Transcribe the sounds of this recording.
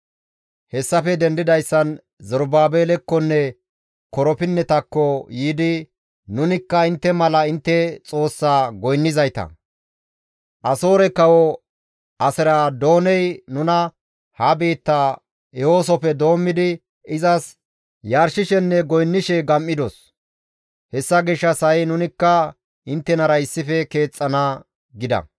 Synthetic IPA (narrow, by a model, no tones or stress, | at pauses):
hɛsːɐfɛd̪ɛnd̪ɪd̪ɐjsːɐn | zɔɾbaːbeːlɛkːɔnːɛ | kɔɾɔpɪnːɛt̪ɐkːɔjiːd̪ɪ | nʊnɪkːɐɪnt̪ːɛmɐlɐɪnt̪ːɛt͡sʼo̞ːsːaːɡɔjnːɪzɐjt̪ɐ̰ | ʔɐso̞ːɾɛkːɐwɔ | ʔɐsɪɾaːd̪o̞ːnɛjnʊnɐ | hɐbeːt̪ːaː | ɛwo̞ːs̬ɔpɛd̪o̞ːmːɪd̪ɪ | ɪzɐs | jaːɾʃɪʃɛnːɛɡɔjnːɪʃɛɡɐmːɪd̪os | hɛsːɐɡɪʃːɐsɐjɛnʊnɪkːɐ | ɪnt̪ːɛnɐɾɐɪsːɪfɛke̞ːt͡sʼːɐna | ɡɪd̪ɐ̰